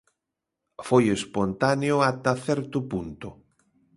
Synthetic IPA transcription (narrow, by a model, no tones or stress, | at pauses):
fojespont̪aneʊat̪aθɛɾt̪ʊpunt̪ʊ